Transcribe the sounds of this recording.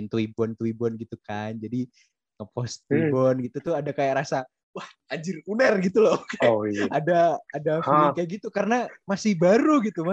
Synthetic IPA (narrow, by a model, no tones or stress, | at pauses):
nt̪wibɔnt̪uibɔnɡit̪ukand͡ʒadi | ŋəpɔst̪uibɔnɡit̪ut̪ʊhadakajaʔɾasa | wah | ad͡ʒɪrunərɡit̪ulɔkajadaːdafilikajaʔɡit̪ukarənamasɪhbaɾuɡit̪uma